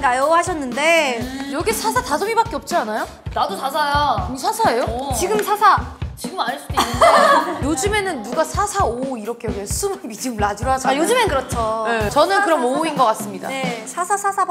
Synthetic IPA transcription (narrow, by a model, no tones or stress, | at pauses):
najoɦaɕʰʌnːɯnde̞jʌɡisʰasʰatasʰʌmibak͈eʌp̚t͡ɕ͈ianajo | nadotasʰajaɲisʰasʰae̞jot͡ɕiɡɯmsʰasʰat͡ɕiɡɯmaɲɭs͈udoinːɯnejod͡ʑume̞nɯnːuɡasʰasʰaoiɾʌkʰejʌɡiesʰumɯnbid͡ʑimɯɭad͡ʑiɾoɦaɕʰʌjod͡ʑɯmenkɯɾʌt͡ɕʰoet͡ɕʌnɯnkɯɾʌnmouinɡʌk͈as͈ɯmɲida̰nesʰasʰasʰasʰab